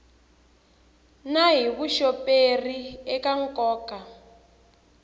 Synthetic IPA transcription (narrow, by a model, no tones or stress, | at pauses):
naɦiβuʃɔperiɛkaŋkɔːka